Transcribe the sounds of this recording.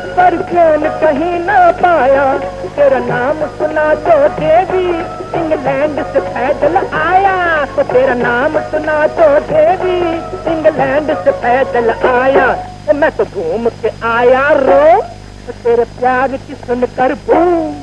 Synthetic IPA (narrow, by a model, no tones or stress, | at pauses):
pɐɾd͡ʒɛːnkɐɦĩnɐpaːjaːt̪eːɾanaːmsʊnaːd̪oːd̪eːʋiː | ɪ̃ŋɡlɛ̃ːɳɖsepʰɛːd̪əlaːjaːt̪oːt̪eːɾaːnaːmsʊnaːd̪od̪eːʋisɪ̃ŋɡlɛ̃ːɳɖsepʰɛːd̪əlaːjaː | t̪oːmɛ̃ːt̪obʱuːmkeaːjaːɾoː | t̪oːt̪eːɾepjaːɾkɪsənkɐɾbuː